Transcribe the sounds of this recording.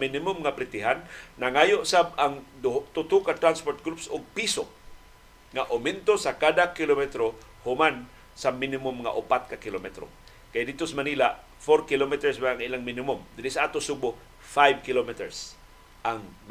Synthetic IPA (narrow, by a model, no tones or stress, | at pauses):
minɪmʊmŋapɾɪt̪ɪɦanːaŋajoʔsab̚aŋd̪t̪ʊt̪ʊkat̪ɾanspoɾt̪̚ɡɾupsʊɡ̚piso | ŋaʔʊmɛnt̪osakad̪akɪlomɛt̪ɾo | hʊman | samɪnɪmʊmŋa̰ʔʊpat̪̚kakɪlomɛt̪ɾo̰ | kajd̪ɪt̪osmaniːlaʔ | foɾkɪlomit̪ɛɹsmaaŋilaŋminɪmʊmd̪ɪnɪsaʔat̪ʊsubʊ | fajvkɪlomit̪ɛɹs | ʔaŋm